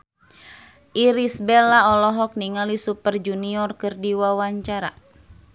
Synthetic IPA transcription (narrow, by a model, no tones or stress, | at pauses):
ʔiɾisbɛlaɔlɔɦɔk̚niŋalisupərd͡ʒuniɔrkɨrdiwawaɲt͡ʃaɾa̰